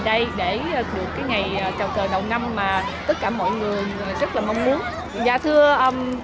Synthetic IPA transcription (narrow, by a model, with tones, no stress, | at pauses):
ɗə˧jɗe˧˩˨ɗɨ˨˩əkːaː˨˦jŋa˨˩jːt͡ɕa˨˩wkəː˨˩ɗə˨˩wŋ͡mna˧mːaː˨˩t̪ə˦˥t̚kaː˧˩mo̰˧˨jŋɨ˨˩əjzə˦˥t̚laː˨˩ma˧wŋ͡mmu˨˦ən | za̰ː˧˨t̪ʰɨ˧əʔəː˧˩